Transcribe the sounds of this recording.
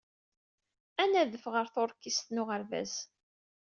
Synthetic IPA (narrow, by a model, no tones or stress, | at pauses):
ænæðəfʁəɾθʊɾkːist̪nʊʁəɾvæ̰z